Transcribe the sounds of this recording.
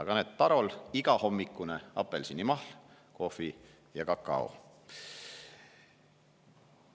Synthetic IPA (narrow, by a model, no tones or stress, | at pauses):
ɑɡ̥ɑneːd̪̥̚pɑɾo̞liɡ̥ɑho̞mːikːˑuneɑ̰pːe̞lsinːimɑhl | ko̞fi | jɑkɑkːˑɑ̰o̰